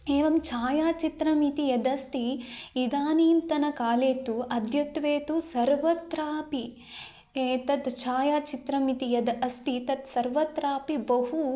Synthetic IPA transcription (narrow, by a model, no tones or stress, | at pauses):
eːʋɐmt͡ʃaːjaːt͡ʃit̪ɾɐmit̪ijɐd̪ɐst̪iːd̪aːniːmt̪ɐnɐkaːleːt̪uʔɐd̪ʱjɐt̪ʋeːt̪usɐɾʋɐt̪ɾaːpi | eːt̪ɐt̪t͡ʃaːjaːt͡ʃit̪ɾɐmit̪ijɐd̪ɐst̪it̪ɐt̪sɐɾʋɐt̪ɾaːpibɐɦu